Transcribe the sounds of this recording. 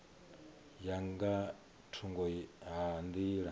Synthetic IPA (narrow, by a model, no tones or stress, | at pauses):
jaŋɡa | tʰuŋɡɔɦand̪iɺa